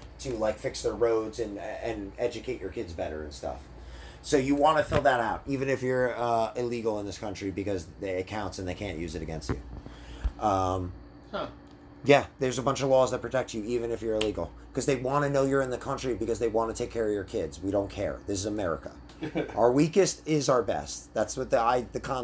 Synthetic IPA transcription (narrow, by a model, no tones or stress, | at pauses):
tʰɨlaɪkfɪksðəɹoʊdzɨ̃nɨ̃nɛd͡ʒɨkʰeɪt͡ʃə˞kʰɪdzbɛɾə̰˞ɨ̃nstʌ̰f | soʊjɨwɑ̃nɨfɪlˠd̪ðəɾaʊɾivɨ̃nɨfjə˞ʌɪliɡl̩ˠə̃nðɪskʰʌ̃nt͡ʃɹ̥ibɨkʌzðiɨkʰãʊ̃ntsɨ̃nðeɪkʰæ̃nʔjʉzɨɾɨɡɛ̃nstt͡ʃʉ̰ | ʔʌ̃m | jæðə˞zəbʌ̃nt͡ʃʌvlɔzðɨt̚pʰɹ̥ɨtʰɛk̚tsjɨivɨ̃nɨfjə˞ɨliɡl̩ˠ | kʰʌzðeɪwɑ̃nɨnoʊjə˞ɨ̃nðɨkʰʌ̃nt͡ʃɹ̥ibɨkʌzðeɪwɑ̃nɨtʰeɪkʰɛɹʌvjə˞kʰɪdz̥wiɾõʊ̃nkʰɛ̰ɹðɪsɨzəmɛɹɨ̰kə̰ | aə˞wikɨstɪzʊə˞bɛ̰st̚ðætswʌt̪̚ðaɪðɨkʰɑ̃